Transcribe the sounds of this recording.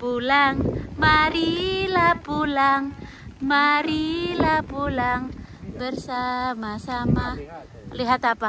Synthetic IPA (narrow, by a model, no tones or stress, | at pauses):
pulaŋmaɾilapulaŋ | maɾilapulaŋ | bərsamasama | liɦat̪apa